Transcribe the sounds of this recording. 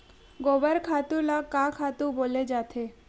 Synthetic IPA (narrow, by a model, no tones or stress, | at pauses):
ɡobəɾkʰat̪ulakakʰat̪uboled͡ʒat̪ʰe